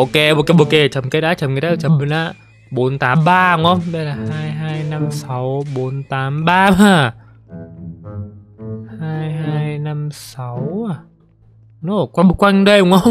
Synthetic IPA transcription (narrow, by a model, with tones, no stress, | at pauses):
ʔo˧ke˧ʔo˧ke˧ɓo˧˩ke˧t͡ɕə˨˩mke˨˦aː˧˥˦t͡ɕə˨˩mke˧˦tɗaː˦˧t͡ɕə˨˩mɨ˨˦na̰ː˧˥ | ɓo˨˦nt̪aː˨˦mɓaː˧hu˨˧˦ŋʔə˧wŋ͡mɓə˧jlaː˨˩haː˧jɦaː˧jna˧msa˨˦wɓo˨˦nt̪aː˨˦mɓaː˧maː˧˩ | haː˧jɦaː˧jna˧msa˨˦wa˨˩ | no˨˧˩kwa˧˩kwa˧jŋɗə˧jhʊ˨˦ŋʔə˧wŋ͡m